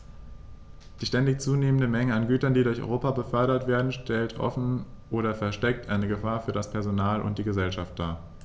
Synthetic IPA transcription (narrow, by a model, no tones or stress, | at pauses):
d̥iːʃtɛndɪçt͡suːneːməndəmɛŋəanɡyːtɐndiːdʊɐçʔɔ̰ʏʁoːpabəfœɐɾɐtv̥eːɐdn̩ʃtʰɛltʰʔɔ̰fn̩ʔoːɾɐfɛɐʃtɛk̚tʔaɪnəɡəfaːɐfyːɐɾdaspʰɛɐzonaːlʔʊ̰nt̚d̥iːɡəzɛlʃaft̚d̥aːɐ